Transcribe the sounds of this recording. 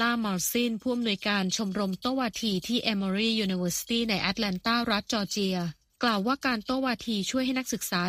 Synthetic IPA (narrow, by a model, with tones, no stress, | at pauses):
laː˥˩mɔː˧siː˥˩npʰuː˥˩ʔa˧mnu˧əjkaː˧nt͡ɕʰo˧mɾo˧mt̪oː˥˩waː˧t̪ʰiː˧t̪ʰiː˥˩ʔɛː˧mɔː˧ɾiː˥˩juː˧ni˧wɤː˧˥si̥˧t̪iː˥˩na˧jʔa˦˥t̪̚lɛ˧nt̪aː˥˩ɾa˦˥t̪̚t͡ɕɔː˧t͡ɕi˧ɐ | klaː˨˩wːaː˥˩kaː˧nt̪o˥˩waː˧t̪ʰiː˧t͡ɕʰu˥˩jhɦa˥˩jna˥k̚sɯ˨˩k̚saː˨˩˦